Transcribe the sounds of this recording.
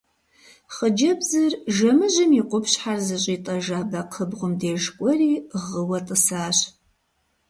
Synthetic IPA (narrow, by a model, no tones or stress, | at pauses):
χəd͡ʒɐbzɨrʒɐmɨʑɐmiqʷʊpɕħarzɨɕʼiːtʼɐʒaːbɐqʰəbʁʷʊmdeːʒkʷʼɔriːʁəwɐtʼəsaːɕ